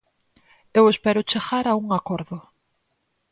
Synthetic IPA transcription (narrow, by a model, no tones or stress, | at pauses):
ewespɛɾʊt͡ʃeɣaɾauŋakoɾðʊ